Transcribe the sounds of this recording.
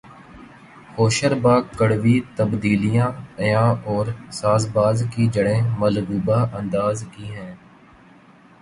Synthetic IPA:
hoːʃəɾbaːkːəɽʋit̪əbd̪iːlijãːjãːɔːɾsaːzbaːzkid͡ʒəɽẽːməlɡuːbaːʔə̃nd̪aːzkiɦɛ̃ː

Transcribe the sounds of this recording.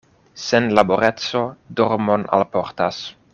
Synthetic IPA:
senlaboɾett͡so̞doɾmona̰lpo̞ɾtas

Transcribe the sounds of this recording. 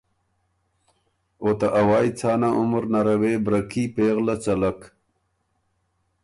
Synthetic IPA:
ot̪aʔawɑːjt͡saːnaʊmɾnaɾawebɾakipeːɣlat͡salak

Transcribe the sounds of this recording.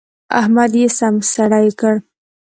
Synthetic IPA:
a̰hmad̪jesamsaɽajkəɽ

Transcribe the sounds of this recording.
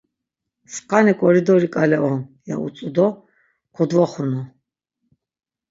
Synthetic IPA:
sqʼanɛkʼɔɾid̪ɔɾikʼalɛʔɔnja̰ṵt͡sʼud̪ɔ | kʰɔd̪vaχunɔ

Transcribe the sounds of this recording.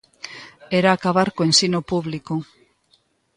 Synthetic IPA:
eɾaːkaβaɾkoensinopuβliko

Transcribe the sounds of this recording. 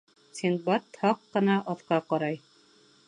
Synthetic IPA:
sinbɑt̪hɑqːɤ̆nɑʔɑθqɑqɑɾɑj

